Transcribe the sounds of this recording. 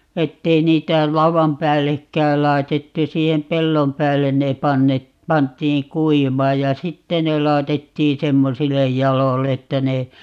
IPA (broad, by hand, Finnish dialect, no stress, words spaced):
etːei niːtæ lɑuʋɑm pæːlːekːæːl lɑi̯tetːu siːhem pelːom pæːlːen ne pɑnːe pɑntˑiːŋ kuiʋɑːj jɑ sitːe ne lɑɛtetːiː semːosilːe jɑlolː etːæ ne